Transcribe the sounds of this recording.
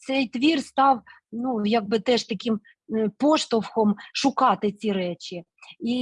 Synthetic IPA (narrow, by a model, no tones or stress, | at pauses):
sɛjt̪ʋʲirst̪ɑw | nujɑɡ̚bɨt̪ɛʃt̪ɐkʲim | poʂt̪ɔwxɔmʃʊkɑt̪ɪt͡sʲiɾɛt͡ɕɪ | i